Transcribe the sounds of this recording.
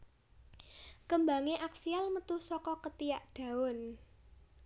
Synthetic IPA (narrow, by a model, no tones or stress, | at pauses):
kəmbaŋeʔaksialmət̪uhsɔkɔkət̪ijaʔɖ̥a̤ʊn